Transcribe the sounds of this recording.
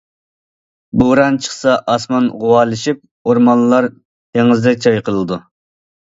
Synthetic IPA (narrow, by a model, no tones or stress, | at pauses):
buɾɑnt͡ʃʰə̥χsɑʔɑsmɑnʁʊwɑlˠɨʃip̚ | oɾmɑnlːˠɑɾ | t̪ʰeŋɪzd̪ɛkʲt͡ʃʰɑjqʰəlˠɨd̪u